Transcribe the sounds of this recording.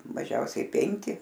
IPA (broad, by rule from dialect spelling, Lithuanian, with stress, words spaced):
mɐˈʒʲɛʊsʲɛɪ ˈpʲɛŋʲkʲɪ